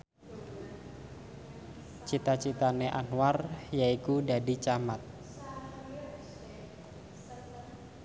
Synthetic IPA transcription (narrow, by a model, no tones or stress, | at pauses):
t͡ʃit̪at͡ʃit̪aneʔanwarjaikudadit͡ʃamat̪̚